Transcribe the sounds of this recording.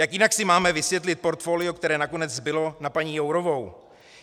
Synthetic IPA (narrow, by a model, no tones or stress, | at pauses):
jakjɪnaksɪmaːmɛvɪsvjɛt̪lɪt̪̚po̞ɾt̪fo̞ːlɪo̞kt̪ɛɾɛːnako̞nɛd͡zbɪlo̞napaɲiːjowɾo̞vo̞w